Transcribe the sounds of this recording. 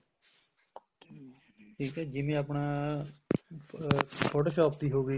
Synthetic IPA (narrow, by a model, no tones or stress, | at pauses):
ʈʰiːkɛːd͡ʒɪmẽːapnaː | pʰoːʈoːʃɔːp̚d̪iːɦoːɡiː